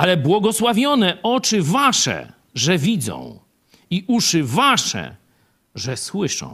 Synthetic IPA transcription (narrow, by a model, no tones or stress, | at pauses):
alɛbwɔɡɔswavʲjɔnɛɔt͡ʂɘvaʂɛ̰ | ʐɛvʲid̪zɔ̰̃w̃ | iʔuʂɘvaʂɛ̰ | ʐɛswɘɪʂɔ̰̃w̃